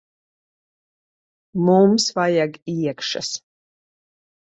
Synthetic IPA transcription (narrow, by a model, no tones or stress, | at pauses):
mumsvajaɡiɛkʃa̰s